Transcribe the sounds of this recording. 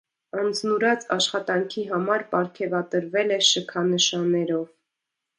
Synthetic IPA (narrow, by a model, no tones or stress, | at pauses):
ɑənd͡znuɾɑt͡sɑʃχɑt̪ɑŋkʰiɦɑmɑɾpɑɾkʰɛvɑt̪əɾvɛlɛʃəkʰɑnəʃɑnːɛɾɔv